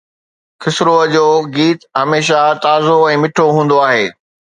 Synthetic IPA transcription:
xʰɪsɾoəd͡ʑoːɡiːt̪ɦɐmeːʃ̬at̪aːzoɛ̃ːmɪʈʰoɦũːn̆d̪oaːɦeː

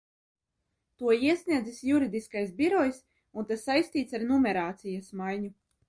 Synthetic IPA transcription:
t̪uɔiɛsnʲiɛzisjuɾid̪iskajsbiɾɔjs | unt̪asːajst̪iːt̪saɾnumɛɾaːt̪sijasmajɲu

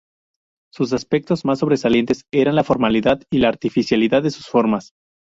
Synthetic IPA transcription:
sus̬aspe̞k̚t̪o̞zmas̬ːo̞β̞ɾe̞salje̞nt̪e̞se̞ɾanlafo̞ɾmaliðaðilaːɾt̪ifisjaliðaððe̞su̥sfo̞ɾmas

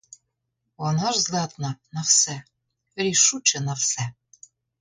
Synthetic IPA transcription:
wɑnɑʒzlɑt̪nɑnɑfsæ | ɾiʃut͡ɕɘ̆nɑfsæ

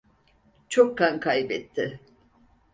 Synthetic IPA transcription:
t͡ʃʰokʰːankʰajbɛt̪ʰːɪ

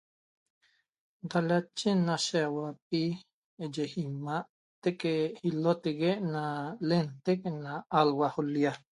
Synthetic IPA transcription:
ɡ̪alat͡ʃːinaʃewap̚i | d͡ʒehimaʔ | t̪ekehilot̪eɡeʔnalent̪eknaalwaholja

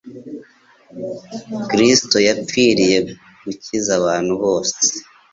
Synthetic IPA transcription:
kɾisto̞jap͡fiɾije̞ | ɡ̥ucizaβaːn̥huβo̞ːse̥

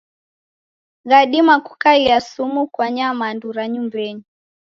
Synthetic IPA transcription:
ɣaɗimaku̥kailiasumukwaɲamanduɾaɲumbɛɲi

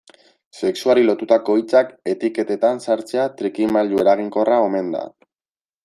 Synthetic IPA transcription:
se̞ksuaɾilo̞t̪ut̪ako̞it͡sake̞t̪ike̞t̪e̞t̪ansaɾt͡se̞at̪ɾikimalue̞ɾaɣ̞iŋko̞rao̞me̞nd̪a̰

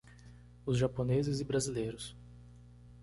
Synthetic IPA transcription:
ʊzʒaponezɪzɪbɾazilejɾʊs

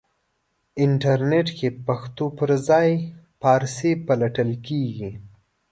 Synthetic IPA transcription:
ɪɳʈaɾneʈkepaxt̪opəɾzɑj | pɑɾsepalaʈəlkeɡi

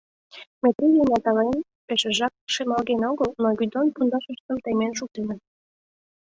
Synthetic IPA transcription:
met̪ɾijenʲɑt̪ɑlɑn | peʃĕʒɑk̚ʃemɑlɣenoɣəlnoɣʲyd̪onpund̪ɑʃəʃt̪ə̆mt̪ejmenʃuk̚t̪enə

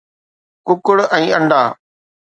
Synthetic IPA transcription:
kʊkʊɽɛ̃ːɐ̃ɳɖaː

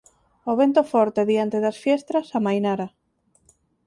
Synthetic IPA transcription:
oβent̪ofɔɾt̪eðiant̪eðasfjɛst̪ɾasamajnaɾa

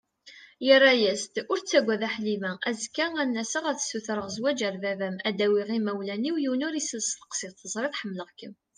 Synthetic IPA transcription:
jərːæjæst̪ʊɾt͡sːæɡʷːæðæħlimææzkːæænːæsəʁəθsuθɾˤəʁzwæd͡ʒæɾvævæmæd̪æwiʁimæwlæniwjiwnʊɾisəlst̪ə̥qsiθəzˤɾˤiθħəmːləʁkəm

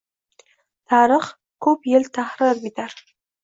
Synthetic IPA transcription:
t̪ʰɑːɾəχ | kʰɵpjelt̪ʰahɾɨɾbid̪aɾ

